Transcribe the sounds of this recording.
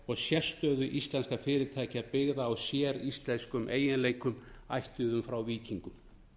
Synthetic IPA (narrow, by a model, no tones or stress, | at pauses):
ɔɣsjɛst̪œːðʏʔist̪lɛnskafɪːɾɪɾt̪ʰajcapɪɣðaːwsjɛːɾist̪lɛnskʏmʔḛːjɪnleːjkʏm | a̰jht̪ʏðʏmfɾawviːciŋkʏm